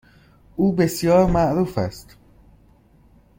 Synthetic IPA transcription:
ʔuːbe̞sjɒːɾmæʔɾuːfæ̰st̪

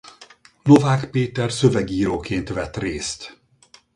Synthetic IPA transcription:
no̞vaːkpeːt̪ɛrsø̞vɛɡiːɾoːkeːnt̪ʋɛt̪reːst̪

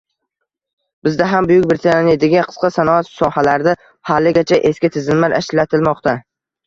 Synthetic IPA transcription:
b̥ɪzd̪aɦambʊjʊkʲbɪɾt̪ʰaaned̪ɪɡʲanqʰɨ̥sqʰɑsanɒat̪sɒhalaɾd̪a | halːɪɡʲat͡ʃʰaʔe̞skʲɪt̪ʰɪzɪmmaɾaʃlːat̪ʰɪlmɒqt̪a

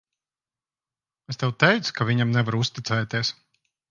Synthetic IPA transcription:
est̪ɛwt̪ɛjt̪skaviɲamnɛvaɾust̪it̪sɛːt̪ieɛs

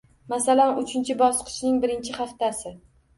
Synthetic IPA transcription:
masalanʊt͡ʃʰɪnt͡ʃʰɪbɒsqʰɨ̥ʃnɪŋbɪɾɪnt͡ʃʰɪχaft̪asɪ

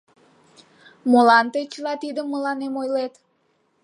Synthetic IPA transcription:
molɑnt̪et͡ɕəlɑt̪id̪əmːəlɑnemojlet̪

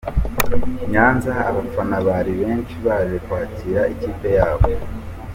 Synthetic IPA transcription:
ɲaːnzaːβafanaβaɾiβe̞ːnʃiβaːzekwaːciɾaiciːpe̞jaːβo̞

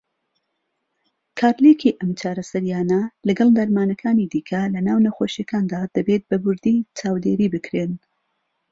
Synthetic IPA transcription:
kʰaːɾlekʰiːʔɐmt͡ʃaːɾɐsɐɾjaːnɐlɐɡɐlˠd̪ɐɾmaːnɐkʰaːnid̪iːkʰɐlɐnaːwnɐxoʃjakaːnd̪aːd̪̥ɐbeːt̪̚bɐbʊɾd̪iːt͡ʃaːwd̪eːɾiːbɨkɾeːn

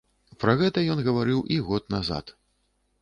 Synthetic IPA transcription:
pɾɐɣɛt̪ɐjɔnɣɐvaɾɨwʔiɣɔt̪naza̰t̪

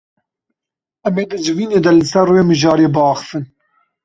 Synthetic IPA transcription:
ɛmeːd̪ɨd͡ʒɪviːneːd̪ɛlɨsɛrweːmɨʒɑːɾeːbɑːxə̥fɨn

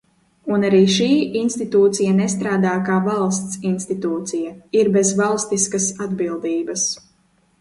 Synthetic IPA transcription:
unaɾiːʃiːinst̪it̪uːt̪sijanɛst̪ɾaːd̪aːkaːvalˠst̪sinst̪it̪uːt̪sijaiɾbezvalˠst̪iskasad̪bilˠd̪iːbɐs

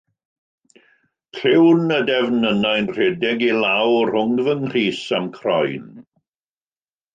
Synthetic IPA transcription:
kʰrɪwnədɛvnənajnr̥ɛdɪɡilˠawrhʊŋvənriːsamkʰrɔjn

